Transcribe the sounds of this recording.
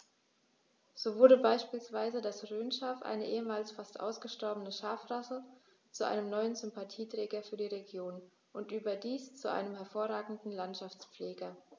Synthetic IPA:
z̥oːvʊɐdəbaɪʃpiːlsv̥aɪzədasʁøːnʃaːfʔa̰ɪnəʔeːəmaːlsfastʔa̰ʊsɡ̥əʃtɔɐbənəʃaːfʁasə | t͡suʔa̰ɪnəmnɔʏənzʏmpatʰiːtʁ̥ɛːɡɐfyːɐdiːʁeɡjoːn | ʔʊntʔyːbɐdiːst͡suʔa̰ɪnəmɦɛɐfoːɐʁaːɡŋ̩dn̩lantʃaft͡sp͡fleːɡɐ

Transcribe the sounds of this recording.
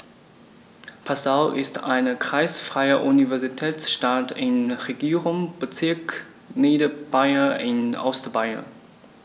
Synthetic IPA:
pʰasaʊʔɪsta̰ɪnəkʁ̥aɪsfʁ̥aɪɐʔunivɛɐzitʰɛːt͡sʃtatɪnʁeɡiːʁʊŋb̥ət͡sɪɐk | neːdəb̥aɪɐɪnʔɔ̰stbaɪɐ̰n

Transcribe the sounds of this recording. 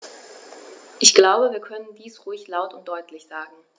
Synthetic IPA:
ʔɪçɡ̥laʊbəviːɐkʰœnəndiːsʁʊɪçlaʊtʊnt̚d̥ɔʏtʰlɪçz̥aːɡŋ̩

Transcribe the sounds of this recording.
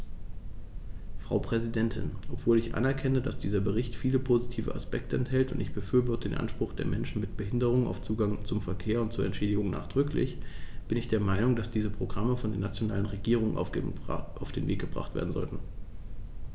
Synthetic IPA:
fʁ̥aʊpʁ̥ɛzidɛntʰɪ̰nʔɔpv̥oːlɪçʔa̰nɛɐkʰɛnədasd̥iːzɐbəʁɪçtfiːləpʰoːzitʰiːvə̰ʔaspɛk̚tʰəɛnthɛltʊntɪçb̥əfyːɐvɔɐtədeːnʔa̰nʃpʁ̥ʊχd̥ḛːɐmɛnʃn̩mɪt̚b̥əɦɪndəʁ̞ʊŋəna̰ʊft͡suːɡaŋt͡sʊmfɛɐkʰeːɐʊntt͡suːɐʔɛ̰ntʃeːdɪɡʊŋna̰ːχd̥ʁʏklɪ̰çb̥ɪnɪçd̥eːɐmaɪnʊŋd̥asd̥iːzəpʁ̥oɡʁaməfɔndeːɐnat͡sjonaːlənʁeɡiːʁ̞ʊŋənʔ | ʔaʊfd̥eːnvḛːk̚ɡ̥əbʁa̰χtv̥ḛɐdn̩zɔ̰ltn̩

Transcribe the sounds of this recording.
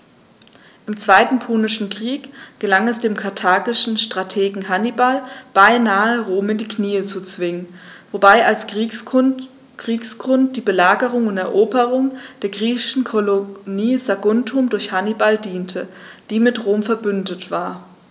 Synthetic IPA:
ʔɪmt͡sv̥aɪtn̩pʰunɪʃn̩kʁ̥iːkɡ̥əlaŋɛsd̥eːmkʰaɐtʰaːɡɪʃn̩ʃtʁ̥atʰeːɡŋ̩ɦanibalb̥aɪnaːəʁoːmɪndiːkniːət͡sut͡sv̥ɪŋənvobaɪals | ʁ̥iːksɡʁʊnt̚d̥iːbəlaːɡəʁʊŋʊntɛɐʔoːbəʁʊŋd̥eːɐɡʁiːçɪʃn̩kʰoloniːzaɡʊntʰʊmdʊɐçhanibaldiːntʰəd̥iːmɪtʁoːmfɛɐbʏndətv̥aːɐ

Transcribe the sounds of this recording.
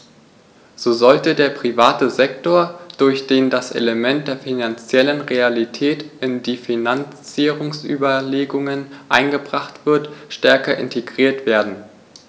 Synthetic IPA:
z̥oːzɔltədeːɐpʁ̥ivaːtəzɛk̚toːɐd̥ʊɐçd̥eːndasʔḛləmɛnt̚d̥eːɐfinant͡sjɛlənʁealitʰɛːtʔɪndiːfinant͡siːʁʊŋsʔy̰ːbɐleːɡʊŋənʔa̰ɪnɡəbʁaχtv̥ɪɐtʃtɛɐkɐʔɪ̰ntʰeɡʁ̥iːɐtv̥eːɐdn̩

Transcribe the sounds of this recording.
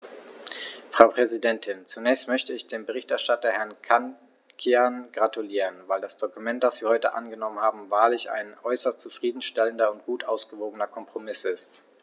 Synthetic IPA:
fʁ̥aʊpʁ̥ɛzidɛntʰɪnt͡sunɛːçstmœçtəɪçd̥eːmbəʁ̞ɪçtɛɐʃtatɐhɛɐnkʰan | kʰianɡ̥ʁatuliːʁənvaɪldasd̥okumɛnt̚d̥asv̥iːɐhɔʏtəʔa̰nɡənɔmənhaːbm̩vaːɐlɪça̰ɪnʔɔʏsɐstt͡sufʁ̥iːdn̩ʃtɛləndɐʊnt̚ɡ̥uːtʔaʊsɡ̥əvoːɡənɐkʰɔmpʁ̥omɪsɪst

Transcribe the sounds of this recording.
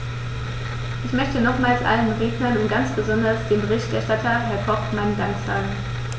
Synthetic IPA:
ʔɪçmœçtənɔχmaːlsʔa̰lənʁeːɡnɐnʊntɡ̥ant͡sb̥əzɔndɐsd̥eːnbəʁɪçtʔɛɐʃtatʰɐɦɛɐkʰɔχmaɪnədaŋkz̥aːɡŋ̩

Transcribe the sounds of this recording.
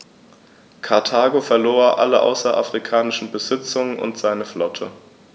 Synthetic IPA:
kʰaɐtʰaːɡofɛɐloːɐʔa̰ləʔa̰ʊsɐʔa̰fʁ̥ikʰaːnɪʃn̩bəzɪt͡sʊŋənʔʊ̰ntz̥aɪnəflɔtʰə

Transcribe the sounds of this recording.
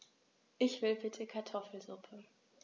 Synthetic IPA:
ʔɪçv̥ɪlbɪtʰəkʰaɐtʰɔfl̩zʊpʰə

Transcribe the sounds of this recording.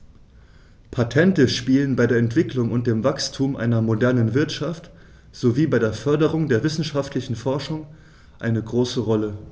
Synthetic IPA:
pʰatʰɛntəʃpiːlənbaɪdeːɐɛntv̥ɪklʊŋʊnt̚d̥eːmvakstʰuːmʔa̰ɪnɐmodɛɐnənvɪɐtʃaft | z̥oviːbaɪɾeːɐfœɐdəʁʊŋdeːɐvɪsn̩ʃaftʰlɪçn̩fɔɐʃʊŋ | ʔaɪnəɡʁoːsəʁɔlə

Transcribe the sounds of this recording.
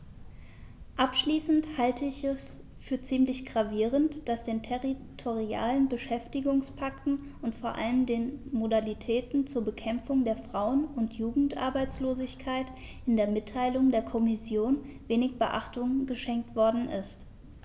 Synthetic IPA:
ʔapʃliːsn̩thaltʰəɪçɛs | fyːɐt͡siːmlɪçɡ̥ʁaviːʁ̞əntd̥asd̥eːntʰɛʁitʰoʁia̰ːlənbəʃɛftɪɡʊŋspʰaktn̩ | ʔʊntfoːɐʔa̰ləmdeːnmodalitʰɛːtn̩t͡suːɐbəkʰɛmfʊŋdeːɐfʁ̥aʊənʊntʰjuːɡŋ̩tʔa̰ɐbaɪt͡sloːzɪçkʰaɪt | ʔɪndeːɐmɪtʰːaɪlʊŋdeːɐkʰɔmɪsjoːnveːnɪçb̥əʔa̰χtʊŋɡəʃɛŋk̚tv̥ɔɐdn̩ʔɪ̰st

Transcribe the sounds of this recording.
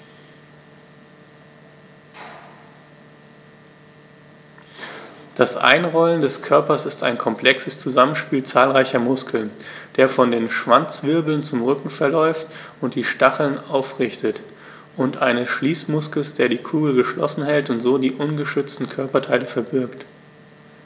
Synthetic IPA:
d̥asʔa̰ɪnʁɔləndɛskʰœɐpɐsɪstʰa̰ɪnkʰɔmpʰl̥ɛksəst͡suzamənʃpiːlt͡saːlʁaɪçɐmʊskʰl̩nd̥eːɐfɔndeːnʃv̥ant͡sv̥ɪɐbl̩nt͡sʊmʁʏkŋ̩fɛɐlɔʏft | ʊntd̥iːʃtaχl̩naʊfʁɪçtʰət | ʔʊntʔaɪnəsʃliːsmʊskl̩sd̥eːɐdiːkʰuːɡl̩ɡəʃlɔ̰sn̩hɛltʊntz̥oːdiːʔʊnɡəʃʏt͡stn̩kʰœɐpɐtʰaɪləfɛɐbɪɐkt

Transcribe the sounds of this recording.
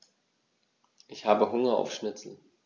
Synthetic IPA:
ʔɪçhaːbəɦʊŋɐa̰ʊfʃnɪt͡sl̩

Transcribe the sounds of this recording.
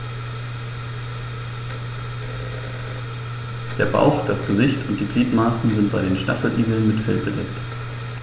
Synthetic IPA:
d̥eːɐba̰ʊxd̥asɡ̥əzɪçtʰʊnt̚d̥iːɡʁiːtmaːsn̩zɪnt̚b̥a̰ɪɾeːnʃtafl̩ʔiːɡl̩nmɪtfɛlbədɛ̰kt

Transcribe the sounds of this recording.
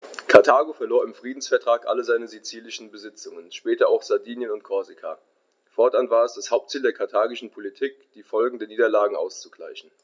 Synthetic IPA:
kʰaɐtʰaːɡofɛɐloːɐɪmfʁ̥iːdn̩sfɛɐtʁ̥aːkʔa̰ləzaɪnəzit͡siːlɪʃn̩bəzɪt͡sʊŋənʃpɛːtɐaʊxz̥adiːnjənʊntkʰɔɐzikʰa̰ | fɔɐtʔanvaːɐɛsd̥ashaʊp̚tt͡siːldeːɐkʰaɐtʰaːɡɪʃn̩pʰolitʰiːk̚d̥iːfɔlɡŋ̩dəniːdɐlaːɡŋ̩ʔa̰ʊst͡su̥ɡla̰ɪçn̩

